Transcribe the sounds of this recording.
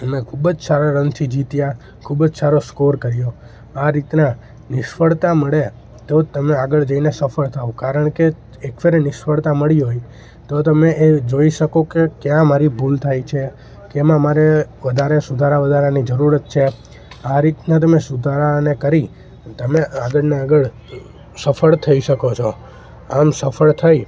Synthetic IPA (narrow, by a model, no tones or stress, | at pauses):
əmekʰubəd͡ʒsaɾaɾənt̪ʰid͡ʒit̪ja | kʰubəd͡ʒsaɾoskoɾkəɾjo | aɾit̪na | nɪʃfəɭt̪aməɭe | t̪ot̪əmeaɡəɭd͡ʒəinesəfəɭt̪ʰaõkaɾəɳ̃ke | ekfeɾenɪʃfəɭt̪aməɭiɦoj | t̪ot̪əmeed͡ʒoiʃəkokekjãmaɾibʱult̪ʰajt͡ʃʰe | kemãmaɾeʋəd̪ʱaɾesud̪ʱaɾaʋəd̪ʱaɾanid͡ʒəɾuɾət̪̚t͡ʃʰe | aɾit̪nat̪̬əmesud̪ʱaɾanekəɾi | t̪əmeaɡəɭneaɡəɭ | səfəɭt̪ʰəiʃəkot͡ʃʰo | amsəfəɭt̪ʰaj